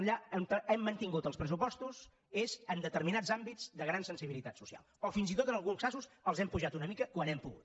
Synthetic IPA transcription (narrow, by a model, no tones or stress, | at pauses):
ʎaənt̪əɛmːənt̪iŋɡut̪əlˠspɾəsupɔst̪uz | ezənd̪ət̪əɾminad͡zzambid͡zd̪əɣɾansənsiβilit̪at̪susia̰lˠɔfinzit̪ot̪ənəlˠɣunsazusəlˠzɛmpuʒat̪unəmikəkwanɛmpuɣṵt̪